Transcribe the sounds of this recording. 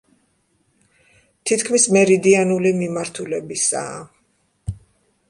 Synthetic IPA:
t̪ʰit̪̚ʰkʰmismɛɾid̪ianulimimaɾt̪ʰulɛbisa̰ː

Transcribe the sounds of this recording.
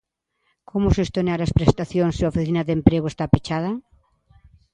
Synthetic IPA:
komʊsest̪oneaɾɐspɾest̪aθjoŋseaofiθinaðempɾeɣʊest̪apet͡ʃað̞ɐ

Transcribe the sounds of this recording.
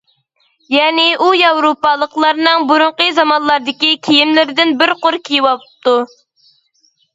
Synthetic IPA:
jɛːnɪʔujɑwɾopɑlˠəqlˠɑɾnɨŋbuɾʊɴqəzɑmɑnlˠɑɾd̪ɪkʲikʲʰijimlɪɾɪd̪ɪnbɪɾqoɾkʲʰijiwɑpt̪u

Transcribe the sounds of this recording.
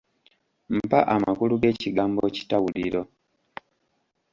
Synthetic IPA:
m̩paʔamakuluɡe̞ːciɡaːmbo̞ci̥tawuliɾo̞

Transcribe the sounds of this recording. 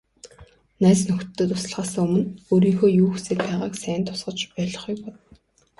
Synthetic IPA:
næːt͡snɵxt̪̆t̪ːɵ̆t̪ʊs̆ɮʁaːsăŋɵmɵ̆noːɾiːŋxoːjuːxseːk̪̚pæːʁaːksæːnt̪ʰʊ̥sɢə̆t͡ɕpæːɮɞ̆χukpɔt̪ɞ̆

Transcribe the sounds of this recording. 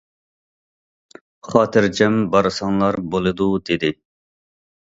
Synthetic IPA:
χɑːt̪ʰɪɾd͡ʒɛmbɑɾɨsɑŋlˠɑɾbolˠɨd̪ud̪ɪd̪ɪ

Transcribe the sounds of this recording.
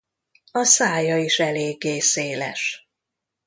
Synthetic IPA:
ɒsaːjɒiʃɛleːɡːeːseːlɛ̰ʃ

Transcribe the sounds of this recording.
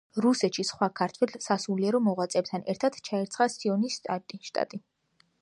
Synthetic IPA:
ɾusɛt̪ʃisχwakʰaɾt̪ʰwɛlsasuliɛɾɔmɔʁwat̪sʼɛp̚t̪ʰanɛɾt̪ʰat̪ʰt͡ʃʰaɛɾt̪sχasiɔnist̪ʼat̪ʼiʃt̪ʼa̰t̪ʼi

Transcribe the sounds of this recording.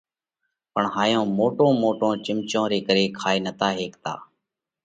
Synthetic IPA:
pəɳɦaːjõːmoːʈõːmoːʈõːt͡ʃɪmt͡ʃõːɾeːkəɾeːkʰaːeːnət̪aːɦeːkt̪a̰ː

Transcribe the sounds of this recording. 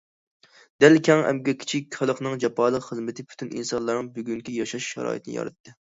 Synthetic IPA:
d̪̥ælkʲʰɛŋɛ̰mɡʲɛkʲʰi̥t͡ʃʰikʲχɨlˠəqnɨŋd͡ʒɛpʰɑːlˠəqχəzmɪt̪ʰɪpʰy̥t̪ʰynḭnsɑnlˠɑɾnɨŋbyɡʲyŋkʲʰijɑʃɑʃʃɑ̰ɾɑ̰ːjḭt̪ʰnɨjɑ̰ɾɨt̪ʰːɨ

